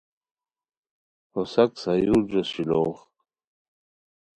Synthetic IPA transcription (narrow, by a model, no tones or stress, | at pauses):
osaksajud͡ʑosiloːχ